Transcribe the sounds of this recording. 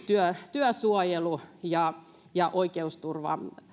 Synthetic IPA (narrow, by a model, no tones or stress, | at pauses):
t̪yøt̪yøsuojelujɑ | jɑʔoikeust̪urʋɑ̰